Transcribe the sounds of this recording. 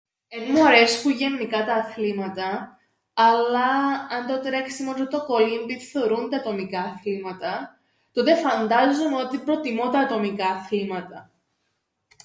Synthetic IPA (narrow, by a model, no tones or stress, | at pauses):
enmoɾe̞spuʝe̞nːikɐt̪ɐːθlimɐt̪ɐ | ɐlɐɐnd̪o̞t̪ɾe̞ksimot̪t̪oko̞limbiθe̞oɾund̪ɐːt̪o̞mikɐːθlimɐt̪ɐ | t̪ot̪e̞fɐnd̪ɐzunot̪ipɾo̞t̪imot̪ɐːt̪o̞mikɐːθlimɐt̪ɐ